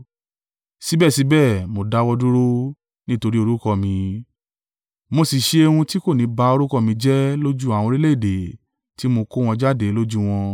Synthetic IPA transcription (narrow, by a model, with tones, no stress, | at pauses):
si˨˦bɛ˦˨si˨˦bɛ˦˨mo˨da˨˦wɔ˧du˦ɾo˦ | nĩ˦to˧ɾi˦o˧ɾu˦kɔ˧mĩ˨˧ | mo˧si˨ʃe˧˦e˧ũ˧ti˦ko˦˨nĩ˨˦ba˧˦o˧ɾu˦kɔ˧˨mĩ˧˦d͡ʒɛ˦lo˦d͡ʒu˦a˨w̃ɔ̃˧ɾi˦le˦˨de˨ | ti˨˦mo˧ko˦w̃ɔ̃˧d͡ʒa˦de˨˦lo˦d͡ʒu˦w̃ɔ̃˧